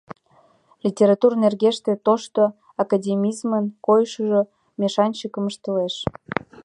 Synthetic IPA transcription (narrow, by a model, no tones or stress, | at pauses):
lʲitʲeɾɑt̪urnerɣeʃt̪et̪oʃt̪o | ɑkɑdʲemʲizmənkojʃəʒo | meʃɑnʲt͡ɕəkə̆məʃt̪əleʃ